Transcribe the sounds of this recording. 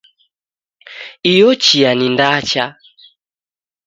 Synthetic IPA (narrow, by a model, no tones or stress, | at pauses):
ijɔt͡ʃianindat͡ʃa